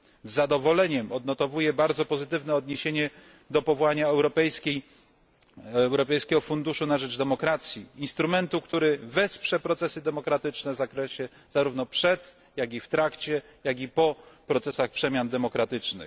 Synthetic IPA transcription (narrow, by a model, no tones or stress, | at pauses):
zːad̪ɔvɔlɛɲɛmɔd̪nɔt̪ɔvujɛbaɾd̪zɔpɔzɘt̪ɘvnɛɔd̪ɲeɕeɲɛ | d̪ɔpɔvɔwaɲaɛwɾɔpɛjskʲej | wɾɔpɛjskʲɛɡɔfund̪uʂunaʐɛd͡ʐd̪ɛmɔkɾat̪sʲjiinst̪ɾumɛnt̪ukt̪uɾɘvɛspʂɛpɾɔt̪sɛsɘd̪ɛmɔkɾat̪ɘt͡ʂnɛvzakɾɛɕɛ | z̥aɾuvnɔpʂɛt̪ | jaɡʲift̪ɾakt͡ɕɛ | jaɡʲipɔpɾɔt̪sɛsaxpʂɛmʲjand̪ɛmɔkɾat̪ɘt͡ʂnɘ̰x